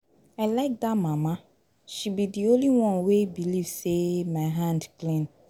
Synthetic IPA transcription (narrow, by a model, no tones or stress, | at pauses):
aɪlaɪk̚d̪amãmã | ʃibidiõnliwɔ̃nwebilivsemãɪɦãndklĩn